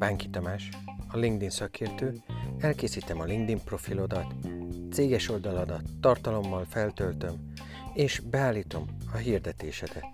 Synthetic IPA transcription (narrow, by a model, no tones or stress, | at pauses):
baːŋkit̪ɒmaːʃ | ɒliŋɡd̪insɒkʰeːrt̪øːɛlkeːsiːt̪ɛmɒliŋɡd̪impro̞filo̞d̪ɒt̪seːɡɛʃo̞ld̪ɒlɒd̪ɒt̪ːɒrt̪ɒlo̞mːɒlfɛlt̪ø̞lt̪ø̞m | eːʃbɛaːlːiːt̪o̞mɒɦird̪ɛt̪eːʃɛd̪ɛ